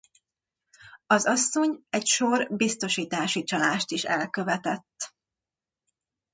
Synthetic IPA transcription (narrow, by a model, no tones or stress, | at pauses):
ɒzɒsːo̞ɲɛcʃo̞rbist̪o̞ʃiːt̪aːʃit͡ʃɒlaːʃt̪iʃɛ̰lkøvɛt̪ɛt̪ː